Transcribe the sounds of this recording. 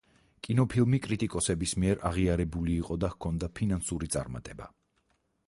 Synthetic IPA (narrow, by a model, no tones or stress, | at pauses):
kʼinɔpʰilˠmikʼɾit̪ʼikʼɔsɛbismiɛɾʔaʁiaɾɛbuliːqʼɔd̪ahkʰɔnd̪apʰinansuɾit̪sʼa̰ɾma̰t̪ʼɛba̰